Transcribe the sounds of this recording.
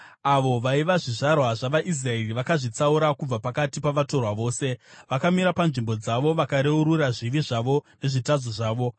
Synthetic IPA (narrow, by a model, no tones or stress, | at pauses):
aʋo̞ʋaiʋaʐiʐarwaʐaʋaʔis̬raeriʋakaʐit͡sauɾakub͡vapakatipaʋato̞rwaʋo̞ːse̞ʋakamiɾapanʐimbo̞d͡zaʋo̞ʋakaɾe̞uɾuraʐiʋiʐaʋo̞ne̞ʐitad͡zoʐaːʋo̞